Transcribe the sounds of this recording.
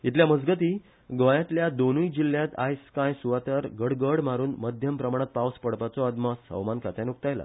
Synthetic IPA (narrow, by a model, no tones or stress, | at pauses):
it̪ʰljaməd͡zɡət̪iː | ɡʋəjãt̪ljad̪onujd͡ʑiljãt̪a̰jskãjsuʋat̪əɾɡəɽɡəɽmaɾuːnməd̪ʱjəmpɾəmaɽ̃at̪̚pawspəɽpat͡sɔad̪məsə̰wmankat̪anuk̚t̪ajla̰